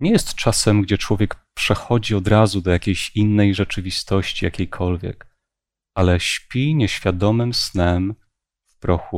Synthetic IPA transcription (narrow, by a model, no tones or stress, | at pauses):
ɲɛjɛst̪t͡ʂasɛmɡd͡ʑɛt͡ʂwɔvʲjɛkpʂɛxɔd͡ʑiɔd̪ɾazud̪ɔjakʲejɕinːɛjʐɛt͡ʂɘvʲist̪ɔɕt͡ɕijakʲejkʰɔlvʲjɛ̰k | alɛɕpʲiɲɛɕfʲjad̪ɔmɘmsnɛm | vpɾɔxu